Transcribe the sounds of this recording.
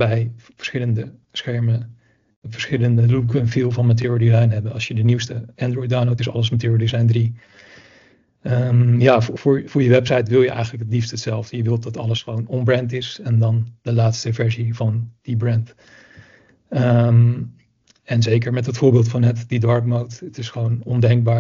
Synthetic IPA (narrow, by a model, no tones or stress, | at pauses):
bɛjvəɹsχɪləndə | sχɛɹmə | vəɹsχɪləndəlukənfilˠvɑnmat̬ʊːɹdizɑjnɦɛbənɑlˠsjədəniwstəandrɔjdawnlowtɪsɑ̰ləsmatʰøːɹədizɑjndri | əjaːvʊːɹvʊːɹjəʋɛpsɑjtʋɪlˠjəʔɛ̰jχənləkɦətlifstəətsɛlˠvdəjəʋɪlˠtdɑtɑləsχəʋownɔnbrɛntɪsɛndɑnd̥əlaːtstəvɛɹzivɑnd̥ibrɛnt | əm | ɛnzejkəɹmɛtɦətfʊːɹbɪːlˠtfɑnɦətdidɑɹp̚mowtətɪsχəʋownɔndɛŋɡ̚baː